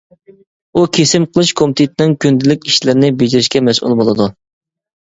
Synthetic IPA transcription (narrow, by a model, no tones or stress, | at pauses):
ukʲʰesɪmqʰəlˠɨʃkʰomt̪ʰɪt̪ʰɪnɪŋkʲʰynd̪ɪlɪkʲiʃlɪɾɪnɪbed͡ʒiɾɪʃkʲɛmɛsʔṵlˠbolˠɨd̪u